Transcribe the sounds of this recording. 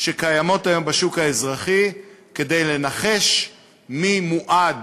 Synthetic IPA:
ʃekajamo̞tajo̞mbaʃukaezʁaχike̞de̞jle̞naχe̞ʃ | mimuʔad

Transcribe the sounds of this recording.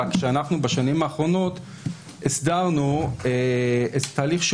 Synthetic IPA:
akʃeanaχnubaʃanimaːχʁo̞no̞t̪ | esd̪aʁnueet̪t̪aːliχʃ

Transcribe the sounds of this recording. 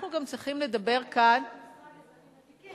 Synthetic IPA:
nuɡamt͡sʁiχimle̞dabe̞ʁkan

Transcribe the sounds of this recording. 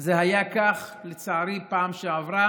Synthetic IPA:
zeɦajakaχlet͡saːɾipaːmʃeavʁa

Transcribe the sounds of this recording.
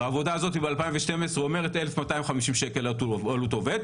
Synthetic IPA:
aːvo̞daːzo̞tibealpaimveʃte̞mesʁeome̞ʁetelefmatajimχamiʃimʃekelatualuto̞ve̞d̪

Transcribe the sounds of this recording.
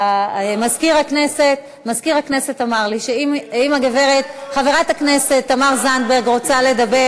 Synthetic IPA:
aemazkiʁakne̞se̞t | mazkiʁakne̞setamaʁliʃeimimaɡeve̞ʁetχaveʁathakne̞se̞t̪ːamaʁzandbe̞ʁɡʁo̞t͡sale̞dabe

